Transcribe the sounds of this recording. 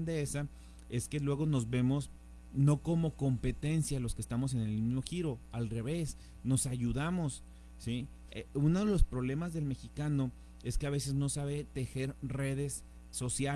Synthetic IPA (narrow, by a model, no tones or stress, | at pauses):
nd̪eesa | e̞ske̞lwe̞ɣo̞no̞zβe̞mo̞s | no̞ko̞mo̞ko̞mpe̞t̪e̞nsjalo̞skest̪amo̞s̬e̞ne̞lmizmo̞xiɾo̞alre̞β̞e̞s | no̞saʝuðamo̞sː | i | eunoðe̞lo̞spɾo̞βle̞mazðe̞lme̞xikano | e̞ske̞aβ̞e̞se̞zno̞saβe̞t̪e̞xe̞ɾre̞ðe̞sː | o̞sja